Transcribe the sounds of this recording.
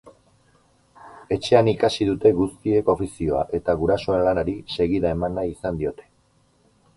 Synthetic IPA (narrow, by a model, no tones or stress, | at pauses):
e̞t͡ʃe̞anikasiðut̪e̞ɣust̪ie̞ko̞fisio̞a̰ʔe̞t̪aɣuɾaso̞e̞nlanaɾise̞ɣiðae̞manaisand̪io̞t̪e̞̥